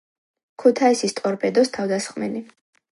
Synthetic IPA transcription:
kʰut̪ʰaisist̪ʼɔɾpʰɛd̪ɔst̪ʰavd̪asχmɛli

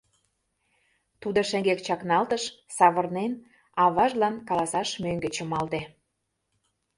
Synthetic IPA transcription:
t̪ud̪ə̆ʃæ̆ŋɡekt͡ɕɑknɑlt̪əʃsɑβə̆rnen | ɑβɑʒlɑnkɑlɑsɑʃmøŋɡĕt͡ɕə̆mɑlt̪e

